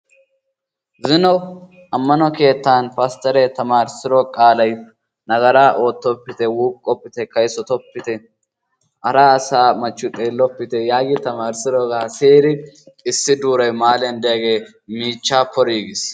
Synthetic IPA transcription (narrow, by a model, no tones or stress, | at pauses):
zɪnɔ | ɐmːɐnɔke̞ːt̪ːaːnpɐst̪ɛɾɛt̪ɐmaːɾsɪɾɔkʼaːlɐj | nɐɡɐɾaːʔo̞ːt̪ːɔpːɪt̪ɛwuːkkʼːɔpːɪt̪ɛkɐjsɔt̪ɔpːɪt̪ɛ | ɐɾaːɐsaːmɐt͡ʃːʊt̪ʼeːlːɔpːɪt̪ɛjaːɡɪt̪ɐmaːɾsɪɾɔɡaːseːɾɪ | ɪsːɪd̪uːɾɐjmaːlɛnd̪ɛjɐɡe̞ː | miːt͡ʃːaːpɔɾiːɡɪs